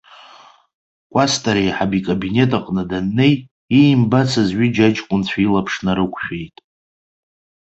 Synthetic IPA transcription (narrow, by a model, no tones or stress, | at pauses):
kʷʼastʼaɾejħabikʼabine̞tʰʼaqʼnɨdanːe̞j | imbat͡sʰazʕid͡ʒat͡ʃʼkʷʼʊnt͡sʷʰailapʰʂnaɾɨkʷʰʼχᶣe̞jtʼ